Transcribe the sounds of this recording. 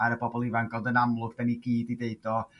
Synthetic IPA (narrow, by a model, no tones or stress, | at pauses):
aɾəbɔbɔlˠɪvanɡ̥ɔlˠdənamlˠʊɡd̥aniɡiːdideɨdɔ